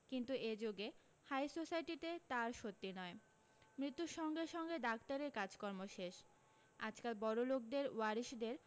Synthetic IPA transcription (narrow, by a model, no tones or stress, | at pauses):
kint̪ued͡ʑoɡe | hajsosajʈit̪et̪aɾʃot̪ːinɔe | mɾit̪ːuɾʃɔŋɡeɾʃɔŋɡed̪ak̚t̪aɾeɾkad͡ʑkɔɾmoʃeʃ | a̰d͡ʑkalbɔɾolok̚d̪eɾwaɾiʃd̪eɾ